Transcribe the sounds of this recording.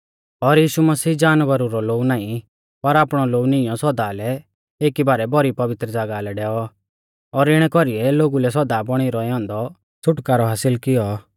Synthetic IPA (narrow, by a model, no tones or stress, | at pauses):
ɔɾjiːʃumɐsiːd͡ʒaːnʋəɾuɾɔloːunaːĩ | pɐɾaːpɽ̃ɔloːunɪjɔ̃sɔd̪alɛ | eːkibaːɾɛbɔɾipɐʋɪt̪ɾəd͡zaːɡalɛɖɛːɔ | ɔɾɪɽ̃ɛkɔɾiɛloːɡulɛs̬ɔd̪abɔɽ̃iɾɔɛɔ̃ːnd̪ɔ | t͡sʰʊʈkaɾɔɦaːsɪlkɪjɔ